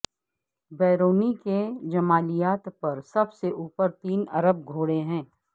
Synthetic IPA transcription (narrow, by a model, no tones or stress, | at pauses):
bɛːɾoːniked͡ʒɐmaːlijaːt̪pɐɾsɐbseʔuːpəɾt̪iːnɐɾəb̚ɡʱoːɽeɦɛ̃ː